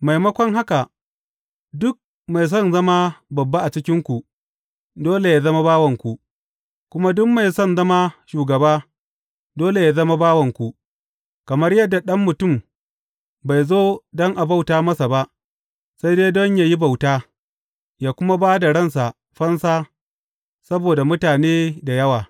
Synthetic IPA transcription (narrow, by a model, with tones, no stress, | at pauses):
ma˨jmɐ˦kʷɔ˦ŋɦa˦ka˨ | dʊ˦k̚ | ma˨js̬ɔ˦˨nzɐ˦ma˦bɐ˨bːa˦ʔa˨t͡ʃɪ˦kʲɪ˦ŋkʷu˨ | doː˦le˨jaː˦zɐ˦ma˦baː˦wɐ˨ŋkʷu˨ʔ | kʷʊ˦ma˦dʊ˦mːa˨jsɔ˦˨nzɐ˦ma˦ʃuː˨ɡɐ˨baː˦ | doː˦le˨jaː˦zɐ˦ma˦baː˦wɐ˨ŋkʷu˨ʔ | kɐ˨mɐ˦rjɐ˦dːa˨ɗɐ˦mːʊ˨tʊ˦˨m | ba˨jzoː˦dɔ˦ŋʔa˨ba˦wtaː˦mɐ˦sa˨ba˦ʔ | sa˦jdeː˦dɔ˦ɲjaː˦ji˦ba˨wtaː˦ | jaː˦kʷʊ˦ma˦baː˦da˨ɽɐ˦˨ns̬a˨ | ɸɐ˦nsaː˦ | sɐ˦boː˨da˨mʊ˦taː˨neː˦da˨jɐ˦waː˨